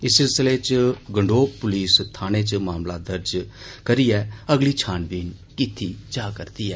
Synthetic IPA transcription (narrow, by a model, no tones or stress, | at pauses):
ɪsɪlsɪlet͡ʃɡəɳɖoːpʊliːst̪ʰaːñeːt͡ʃmaːmlad̪əɾd͡ʒkəɾiːɛːəɡliːt͡ʃʰaːnbiːnkɪt̪ʰːiːt͡ʃaːkəɾt̪iːɛː